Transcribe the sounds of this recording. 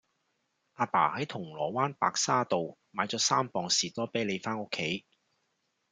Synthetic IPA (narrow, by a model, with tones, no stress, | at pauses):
ʔaː˧pa̰ː˨˩hɐ˨˥jt̪ʰʊ˨˩ŋlɔː˨˩waː˥npa̰ː˧k̚saː˥t̪o˨wmaː˨˧jt͡sɔː˨˥saː˥mpɔː˨˧ŋsiː˨˩t̪ɔː˥pe˨˥jle˨˧jfaː˥nʊ˥kʰːe˨˥j